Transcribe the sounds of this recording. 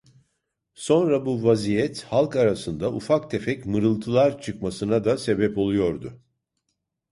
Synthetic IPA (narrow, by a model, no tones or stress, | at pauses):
so̞nɾabuvazijɛt̪halˠkaɾasɯnd̪aʔufak̚t̪ʰe̞fɛcmɯɾɯlˠt̪ʰɯlˠaɾt͡ʃʰɯkmasɯnad̪ase̞bɛpo̞lˠujo̞ɾd̪ʊ